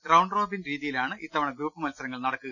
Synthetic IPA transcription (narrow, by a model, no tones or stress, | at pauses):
ɡrɐwɳɖro̞ːbinɾiːðijilaːɳɨʔit̪ːɐʋɐɳɐɡɾuːpːɨmɐlsɐɾɐŋːɐɭnɐɽɐkːuɣɐ